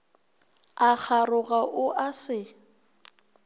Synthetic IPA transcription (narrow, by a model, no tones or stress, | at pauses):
ak͡xʰarʊɣaʔʊʔasɪ